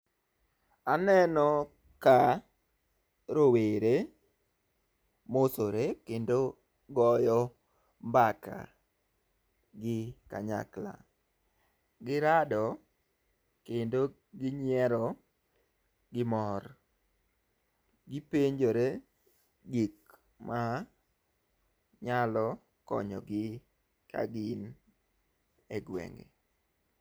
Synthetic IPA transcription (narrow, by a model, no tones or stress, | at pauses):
anɛnɔ | ka | ɾoweɾe | mosoɾekendo | ɡɔjɔ | mbaka̰ | ɡɪka̰ɲa̰kla̰ | ɡɪɾadɔ | kendo | ɡɪɲɛɾɔ | ɡɪmɔr | ɡɪpeɲd͡ʒoɾe | ɡik | ma | ɲalɔ | kɔ̰ɲɔɡɪ | ka̰ɡɪn | eɡwɛ̰ŋɡḛ